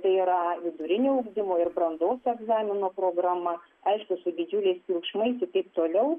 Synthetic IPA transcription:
t̪ɐɪiɾɐʋʲɪd̪ʊɾʲɪnʲoːɐʊɡd̪ʲɪmoːɪrbɾɐnd̪oːsɛɡzɑːmʲɪnoːpɾoːɡɾɑːmɐ | ɐɪʃkʊsʊd̪ʲɪd͡ʒʲʊlʲɛɪspʲikʃmɐɪsʲɪt̪ɐɪp̚t̪oːlʲɛʊ

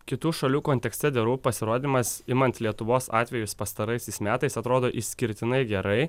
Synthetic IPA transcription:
kʲɪt̪uːʃɐlʲuːkoːnʲt̪ʲɛksʲt̪ʲɛd̪ʲɛɾuːpɐsʲɪɾoːd̪ʲmɐsɪmɐnʲt̪ʲlʲiɛt̪ʊʋoːsɑ̰ːt̪ʲʋʲɛjʊspɐst̪ɐɾɐɪsʲɛɪsmʲæːt̪ɐɪsɐt̪ɾoːd̪oːʔɪʃsʲkʲɪɾʲt̪ʲɪnɐɪɡʲɛɾɐɪ

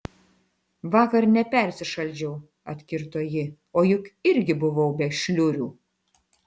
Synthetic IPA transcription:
ʋɑːkɐɾnʲɛpʲɛɾʲsʲɪʃɐlʲd͡ʒʲɛʊ | ɐt̪ʲkʲɪɾt̪oːjɪ | oːjʊkɪɾʲɡʲɪbʊʋɐʊbʲɛʃʲlʲʊɾʲuː

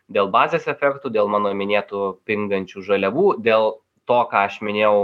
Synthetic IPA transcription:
d̪ʲeːlˠbɑːzʲeːsɛfʲɛkt̪uːd̪ʲeːlˠmɑːnoːmʲɪnʲeːt̪upʲɪŋɡɐnʲt͡ʃʲuːʒɐlʲɛʋuːd̪ʲeːlˠ | t̪oːkɑːɐʃmʲɪnʲeːʊ

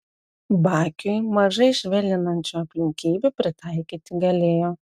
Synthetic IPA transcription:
bɑːkʲʊɪmɐʒɐɪʃʲʋʲɛlʲɪnɐnʲt͡ʃʲuɐpʲlʲɪŋʲkʲiːbʲupʲɾʲɪt̪ɐɪkʲiːt̪ʲɪɡɐlʲeːjoː

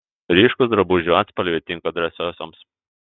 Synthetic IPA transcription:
ɾʲiːʃkʊsd̪ɾɐbuʒʲuɔt̪spɐlʲʋʲiɛt̪ʲɪŋkoɐd̪ʲɾʲɛsʲoːsoms

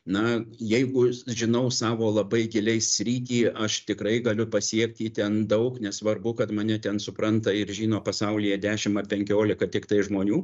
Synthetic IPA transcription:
nɐjɛɪɡʊʒʲɪnɐʊsɑːʋoːlˠɐbɐɪɡʲɪlʲɛɪssʲɾʲiːt̪ʲiːɐʃt̪ʲɪkɾɐɪɡɐlʲʊpɐsʲiɛkt̪ʲiːt̪ʲɛnd̪ɐʊknʲɛsʋɐrbʊkɐt̪mɐnʲɛt̪ʲɛnsʊpɾɐnt̪ɐɪɾʒʲiːnoːpɐsɐʊlʲɪjɛd̪ʲæːʃʲɪmɐpʲɛŋʲkʲoːlʲɪkɐt̪ʲɪkt̪ɐɪʒmoːnʲuː

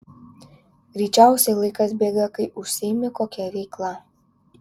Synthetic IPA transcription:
ɡɾʲiːt͡ʃʲæˑʊsʲɛɪlˠɐɪkɐsbʲeːɡɐkɐɪʔʊʃʲsʲɪɪmʲɪkoːkʲɛɾʲɛɪklˠɑ

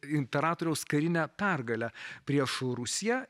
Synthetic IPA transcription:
ɪnʲpʲɛɾɑːt̪oːɾʲɛʊskɐɾʲɪnʲæpʲæɾɡɐlʲæpʲɾʲiɛʃɾʊsʲɪjæ

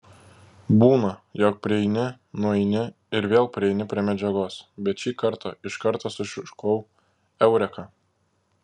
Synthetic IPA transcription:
buːnɐjoːk̚pʲɾʲɪɛɪnʲɪ | nʊɛɪnʲɪ | ɪɾʋʲeːlˠpʲɾʲɪɛɪnʲɪpʲɾʲiɛmʲɛd͡ʒʲɛɡoːsbʲɛt̪ʃʲiːkɐɾt̪ɑɪʃkɐɾt̪ɑsʊʃʲɪʃkoʊ | ɛʊɾʲɛkɑ

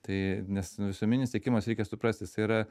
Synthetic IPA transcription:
t̪ɐɪnʲɛsʋʲɪsuɔmʲɪnʲɪst̪ʲeɛkʲɪmɐsɾʲɛɪkʲɛsʊpɾɐsʲt̪ʲɪsiɾɐ

